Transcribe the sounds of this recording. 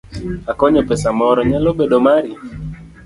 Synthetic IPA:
akɔɲɔpɛsamɔɾɔɲalobedomaɾi

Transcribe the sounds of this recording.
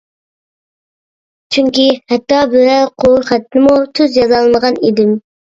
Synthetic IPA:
t͡ʃʰyŋʲkʲihɛt̪ːɑbøɾæɾqʰoχæt̪ːnɪmut̪ʰyzjɑzɑlˠɨnəʁɑnid̪ɪm

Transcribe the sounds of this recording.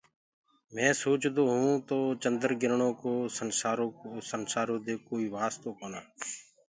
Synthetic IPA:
mɛ̃ːsoːt͡ʃd̪oːɦũːt̪oːt͡ʃənd̪əɾɡɪɾɳõːkoːsənsaːɾoːosənsaːɾõːd̪eːkoːiːʋaːst̪oːkoːnaː

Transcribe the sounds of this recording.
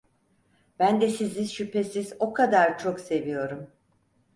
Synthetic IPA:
b̥ænd̪ɛsiziʃypʰe̞sizo̞kʰad̪aɾt͡ʃʰo̞kse̞vijo̞ɾum

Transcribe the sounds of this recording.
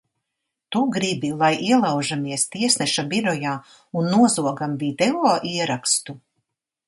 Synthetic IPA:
t̪uɡɾibilˠajʔiɛlˠawʒamiɛst̪iɛsnɛʃabiɾɔjaː | unːuɔzuɔɡamvid̪ɛɔːʔiɛɾakst̪u

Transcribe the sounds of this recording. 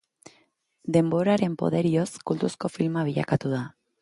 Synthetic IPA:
d̪e̞mbo̞ɾaɾe̞mpo̞̰ð̞e̞ɾio̞skult̪usko̞filmaβ̞iʎa̰kat̪uða

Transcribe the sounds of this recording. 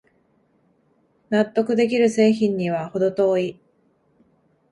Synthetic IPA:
nat̪ːo̞kɯ̟d̪e̞k̬ʲiɾɯ̟se̞ːçĩɲ̟ːiβ̞aho̞d̪o̞t̪o̞ːi

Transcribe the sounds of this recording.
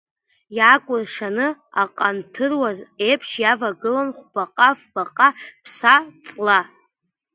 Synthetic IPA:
jakʷʼʊrʂanɨaqʼantʰɨrwazepʰʂjavaɡɨlanχʷb̥aqʼafb̥aqʼapʰsat͡sʼla

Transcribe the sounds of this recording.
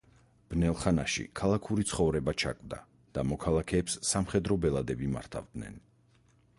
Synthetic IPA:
b̥nɛlˠχanaʃḭkʰalˠakʰuɾit̪sʰχɔvɾɛbat͡ʃʰakʼvd̪a̰ | d̪̥amɔkʰalˠakʰɛːpsːamχɛd̪ɾɔbɛlˠad̪ɛbima̰ɾt̪ʰa̰vd̪nɛ̰n

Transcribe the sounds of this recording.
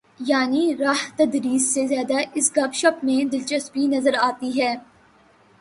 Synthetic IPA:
jaːniɾaːɦt̪ɐd̪ɾiːsːezjaːd̪aʔɪsɡɐbʃɐpmẽd̪ɪlt͡ʃɐst̪bʱinɐzəɾaːt̪iɦɛː

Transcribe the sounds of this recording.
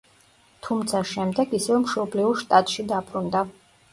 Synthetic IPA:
t̪ʰumt̪sʰaʃɛmd̪ɛɡisɛvɛmʃɔbliuɾʃt̪ʼat̪ʼʃid̪apʰɾund̪a

